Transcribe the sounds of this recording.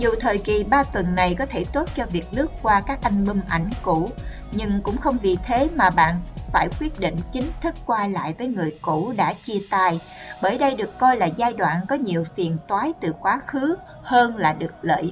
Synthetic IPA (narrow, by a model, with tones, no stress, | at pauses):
zu˨˩t̪ʰəː˨˩jki˨˩ɓaː˧t̪wə˨˩nːa˨˩jkɔ˨˦t̪ʰe˧˩t̪o˦˥t̚t͡ɕɔ˧vi˨˩ək̚nɨ˦˥əkːwaː˧kaː˦˥k̚ʔa˧jŋ̟mi˧mʔa˧˩jŋ̟kṵ˧˩˨ | ɲɨ˧ŋkʊ̰˧˥ŋ͡mxə˧wŋ͡mvḭ˨˩t̪ʰe˨˦maː˨˩ɓa̰ː˧˨nfaː˧˩jkwi˦˥ət̚ɗḭ˧˨ŋ̟t͡ɕï˨˦ŋ̟t̪ʰɨ˦˥kːwaː˧la̰ː˧˨jvəː˨˦jŋɨ˨˩əjkṵ˧˩ɗa̰ː˧˥t͡ɕi˧ət̪aː˧j | ɓəː˧˩jɗə˧jɗɨ˨˩əkːɔ˧jlaː˨˩zaː˧jɗwa̰ː˧˨nkɔ˨˦ɲi˨˩əwfi˨˩ənt̪waː˨˦jt̪ɨ˨˩kwaː˨˦xɨ˨˦ | həː˧nlaː˨˩ɗɨ˨˩ək̚lə̰ː˧˨j